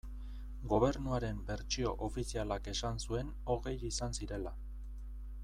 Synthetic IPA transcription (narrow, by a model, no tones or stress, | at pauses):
ɡo̞β̞e̞ɾnuaɾe̞mbe̞ɾt͡ʃio̞ʔofisialake̞sansue̞n | o̞ɣe̞jisansiɾe̞la